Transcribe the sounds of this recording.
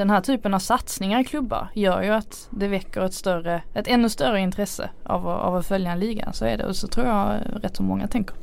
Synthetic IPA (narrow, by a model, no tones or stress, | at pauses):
d̥̪ɛnhæːʈʰyːpənavsat̪snɪŋaɾɪkʰlɵbːa̰ɾjœːɾjɵat̪ | d̪ɛvɛkːəɾɛt̪st̪œrəɛt̪ɛnːɵst̪œrəɪnt̪ʰɾɛsːə̰ʔa̰vɔa̰vɔfœljanliːɡa̰sɔɛ̰ɖɛ̰ʔɔ̰sɔt̪ʰɾuːɾjɑɾɛt̪ːsɔmɔŋːa̰t̪ʰɛŋkəɾ